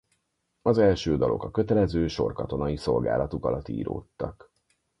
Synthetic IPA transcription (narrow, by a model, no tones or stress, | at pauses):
ɒzɛlʃøːd̪ɒlʔo̞̰kɒkø̞t̪ɛlɛzøːʃo̞rkɒt̪o̞nɒjiso̞lɡa̰ːlɒt̪ukɒlɒt̪ːḭːɾo̰ːt̪ːɒk